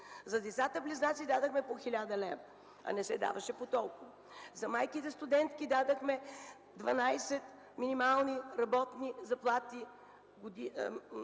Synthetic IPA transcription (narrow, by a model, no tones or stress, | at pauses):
zɐd̪ɛt̪sat̪əpliznat̪sid̪ad̪əxmɛpoxilʲad̪ɐlɛv | ɐ̰nɛsɛd̪a̰vɐʃɛpot̪ɔlˠkʊvo | zɐmajkit̪ɛst̪ʊd̪ɛnt̪kid̪ad̪əxmɛ | d̪vɐnajsɛt̪ | minimalˠniɾɐbɔt̪nizɐplˠat̪i | ɡʊd̪i